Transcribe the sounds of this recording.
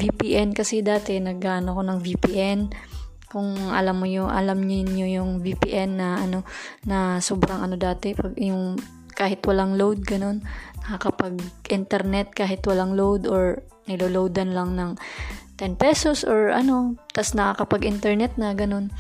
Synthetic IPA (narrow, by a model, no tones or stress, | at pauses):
vipiːʔɛnkɐsɛd̪aːt̪ɛnɐɡːaːʔɐnoɐko̞nɐŋvipiʔɛn | kʊŋʔɐ̰lamːojoʔɐ̰lamɲɪnɲojʊŋvipḭːʔɛnːɐʔɐno̞nɐsoːbɾɐŋʔɐno̞d̪aːt̪ɛpɐɡjʊŋ | kaːhɪt̪wɐlaŋlowd̪̚ɡɐno̞nːɐkɐkɐpɐɡʔɪnt̪ɛɾnɛt̪̚kaːɦɪt̪wɐlaŋlowd̪oɹ | nɪloːlowd̪ɐnlɐŋnɐŋt̪ɛnpɛso̞sʔoɹʔɐ̰no̞t̪ɐsnɐkɐkɐpɐɡʔɪnt̪ɛɹnɛt̪̚nɐɡɐno̞n